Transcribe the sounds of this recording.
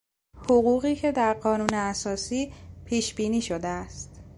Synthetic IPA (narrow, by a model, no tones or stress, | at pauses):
hoɣuːɣiːcʰe̞d̪æɾɢɒːnuːneæsɒːsiːpʰiːʃbiːniːʃod̪eæst̪